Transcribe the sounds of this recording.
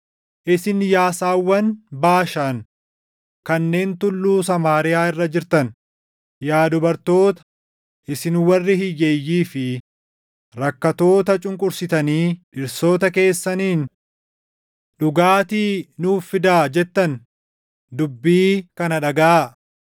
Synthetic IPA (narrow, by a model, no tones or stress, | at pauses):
ʔɪsɪnjaːsaːwːɐnbaːʃan | kɐnːe̞ːnt̪ʊlːuːsɐmaːɾɪjaːɪrːɐd͡ʒɪɾt̪ɐn | jaːd̪ʊbɐɾt̪o̞ːt̪ɐ̥ | ʔɪsɪnwɐrːɪhɪjːeːjːiːfɪ | ɾɐkːɐt̪o̞ːt̪ɐt͡ʃʼʊŋkʼʊɾsɪt̪ɐniːᶑɪɾso̞ːt̪ɐke̞ːsːɐniːn | ɗʊɡaːt̪iːnuːfɪd̪aːd͡ʒɛt̪ːɐn | d̪ʊbːiːkɐnɐᶑɐɡaa